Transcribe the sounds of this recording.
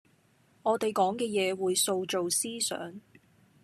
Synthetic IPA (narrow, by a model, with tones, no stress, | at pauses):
ŋɔː˨˧t̪e˨jkɔː˨˥ŋkɛː˧jɛː˨˧wuː˨˧jso˧wt͡ʃo˨wsiː˥sœ̰ː˨˥ŋ